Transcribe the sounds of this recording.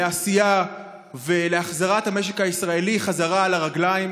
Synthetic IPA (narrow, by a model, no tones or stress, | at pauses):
easija | veleaχzaʁathame̞ʃ̬ekaisʁae̞liχazaʁalaʁaɡlaim